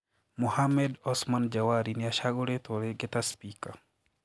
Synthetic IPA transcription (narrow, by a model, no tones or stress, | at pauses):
muhamɛdɔsmand͡ʒawaɾinɪaʃaɡoɾet̪oɾeɡet̪aspika